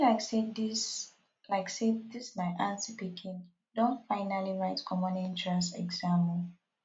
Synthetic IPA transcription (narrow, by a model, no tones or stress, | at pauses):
laɪksedis | laɪkseddislaɪʔãnsipikʰĩn | dõntfãɪnaliɹaɪtkʰɔmɔ̃nɛ̃ntɹãsɛ̰ɡzãməl